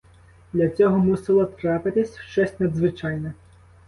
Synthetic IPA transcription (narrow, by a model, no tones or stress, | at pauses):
d̪lʲɐt͡sʲɔɦɔmusɪlˠɔt̪ɾapɪt̪ɪsʲʃt͡ʃɔsʲtʲnɐd̪zʋɪt͡ʃɑjnɛ